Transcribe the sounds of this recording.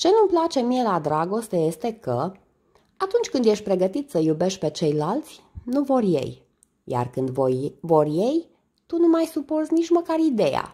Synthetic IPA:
t͡ʃe̞numplat͡ʃe̞mie̞lad̪ɾaɡo̞st̪e̞je̞st̪e̞kə | at̪unt͡ʃʲkɨnd̪je̞ʃt̪̚ʲpɾe̞ɡət̪it̪səjube̞ʃt̪̚ʲpe̞t͡ʃe̞jlalt̪sʲnuvo̞rje̞̰j | ja̰rkɨnd̪vojvo̞rʲje̞j | t̪unumajsuporzʲnit͡ʃməkarid̪e̞ja̰

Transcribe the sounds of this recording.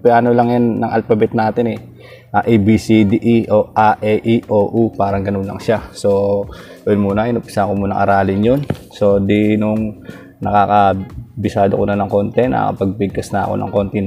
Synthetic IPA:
pɛʔanolɐŋjanːɐŋʔɐ̰lpɐbɛt̪̚naːt̪ɪnɛ | ʔaʔibisid̪iʔiʔoʔaʔɛʔiʔoːʔupaːɾɐŋɡɐnonlɐ̰ŋʃaso̞ | jonmuːnɐʔɪnʊmpɪ̥sakomuːnɐŋʔɐ̰ɾaːlɪnjonso̞d̪inʊŋ | nɐkaːkɐbɪsaːd̪okonɐnɐŋko̞ːnt̪ɛnɐ̰kɐ̰pɐɡ̚bɪɡ̚kɐsnɐɐ̰ko̞̰nɐ̰ŋko̞nt̪ɪ

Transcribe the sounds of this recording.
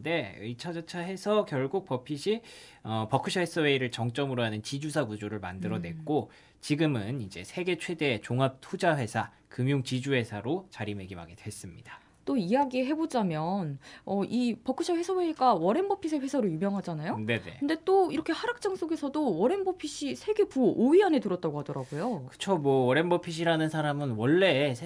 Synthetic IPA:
de̞ɯ̰it͡ɕʰʌd͡ʑʌt͡ɕʰaɦe̞sʰʌkjʌɭɡuk̚pʌpʰiɕʰi | ʌpʌkʰɯɕʰʌhesʰʌwe̞iɾɯɭt͡ɕʌŋt͡ɕ͈ʌmɯɾoɦanɯnt͡ɕid͡ʑusʰaɡud͡ʑoɾɯɭma̰ndɯɾʌnwe̞k̚k͈o | t͡ɕiɡɯmɯnid͡ʑe̞sʰe̞ɡe̞t͡ɕʰwe̞de̞ːt͡ɕoŋɦap̚tʰud͡ʑaɸwe̞sʰa | kɯmjoŋt͡ɕid͡ʑuhe̞sʰaɾot͡ɕaɾime̞ɡimɦa̰ɡe̞dwe̞s͈ɯmɲid̥a | t͈oijaɡiɦe̞bod͡ʑamjʌnʌʔipʌk͈uɕʰʌɸwe̞sʰʌweɲik͈awʌɾe̞nbʌpʰisʰeɸe̞sʰʌɾɯɭjumjʌŋɦad͡ʑanajone̞ne̞̰kɯnde̞t͈oiɾʌkʰe̞haɾak̚t͡ɕ͈aŋs͈oɡe̞sʰʌdowʌɾe̞nbʌpʰiɕ͈ʰisʰe̞ɡe̞puoiane̞tɯɾʌt̚t͈aɡoɦadʌɾaɡojokɯ̥t͡ɕʰomwʌwʌɾe̞nbʌpʰiɕ̬ʰiɾanɯnsʰaɾamɯnwʌɭːe̞

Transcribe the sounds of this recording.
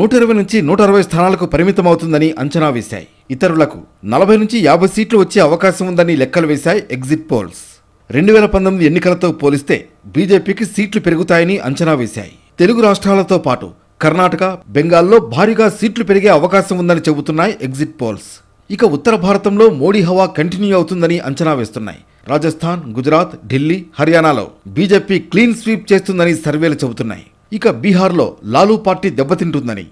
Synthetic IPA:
nuːʈɐiɾɐʋɐjnuɲt͡ʃinuːʈɐɾɐʋɐjst̪ʰaːnaːlɐkupɐɾimit̪ɐmɐwut̪und̪ɐniʔɐɲt͡ʃɐnaːʋeːsa̰ːjḭ | it̪ɐɾulɐkṵnɐlɐbʱɐjnuɲt͡ʃijaːbʱɐjsiːʈluʋɐt͡ʃːe̞ːɐʋɐkaːʃɐmund̪ɐnilɛkːɐluʋɛːsaːjiʔeɡziʈ̚po̰ːls | ɾe̞ɳɖuʋɛːlɐpɐnt̪omid̪ienːikɐlɐt̪o̞ːpoːlist̪e̞̰ː | biːd͡ʒe̞ːpiːkisiːʈlupe̞ɾuɡut̪aːjɐniʔɐ̰ɲt͡ʃɐnaːʋɛːsa̰ːjḭ | t̪e̞luɡuɾaːʂʈɾaːlɐt̪o̞ːpaːʈṵ | kɐɾnaːʈɐkɐbeŋɡaːlːo̞ːbʱaːɾiːɡaːsiːʈlupe̞ɾiɡe̞ːɐʋɐkaːʃɐmund̪ɐnit͡ʃe̞but̪unːaːjiʔe̞ɡziʈ̚po̞ːls | ikɐut̪ːɐɾɐbʱaːɾɐt̪ɐmlo̞ːmo̞ːɽiːɦɐʋaːkɐɳʈinjuɐwut̪und̪ɐniʔɐɲt͡ʃɐnaːʋe̞ːst̪unːa̰ːjḭ | ɾaːd͡ʒɐst̪ʰaːnɡud͡ʒɾaːt̪ɖilːiːhɐɾjaːnaːlo̰ːbiːd͡ʒe̞ːpiːkliːnsʋiːp̚t͡ʃe̞ːst̪und̪ɐnisɐɾʋe̞ːlut͡ʃe̞but̪unːa̰ːjḭ | ikɐbiːɦaːɾlo̞̰ːlaːluːpaːɾʈiːd̪ɛbːɐt̪iɳʈund̪ɐnḭ

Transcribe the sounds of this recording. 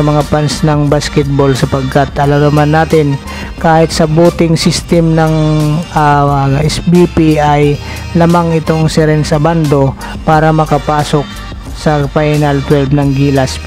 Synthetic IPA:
ɐmɐŋapansnɐŋbaskɛt̪̚bolsɐpɐɡ̚kat̪ʔɐlɐmnɐmanːaːt̪ɪn | kaːhɪt̪̚sɐbuːt̪ɪŋsist̪ɛmnɐŋ | ɛsbipiɐj | lamaŋɪt̪o̞ŋsɛɾɛnsɐband̪o̞ | paːɾɐmɐkɐpaːso̞k̚ | sɐpajnɐlt̪wɛlbnɐŋɡiːlɐs

